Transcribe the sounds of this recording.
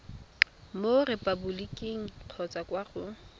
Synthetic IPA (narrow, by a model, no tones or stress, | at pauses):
morepʼabulikʼiŋ̩q͡χʰɔt͡sakwaɣʊ